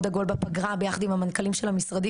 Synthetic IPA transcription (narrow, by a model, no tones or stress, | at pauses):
d̪aɡo̞lbapaɡʁabejaχad̪imhamankalimʃelhamisʁad̪i